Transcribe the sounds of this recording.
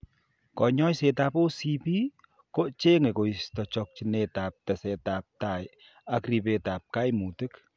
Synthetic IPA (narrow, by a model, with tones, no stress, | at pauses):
kɔ˨ɲɔ˦jse˧˨t̪a˧po˦si˧pi˦ | ko˦ʔt͡ʃe˦ŋe˨ko˨ist̪ɔ˨t͡ʃɔ˧k̚t͡ʃi˧ne˧t̪a˨p̚t̪a˨se˨t̪a˨p̚t̪a˨j | a˧kɾi˧be˧˨t̪a˨p̚ka˦jmu˨t̪ɨ˦k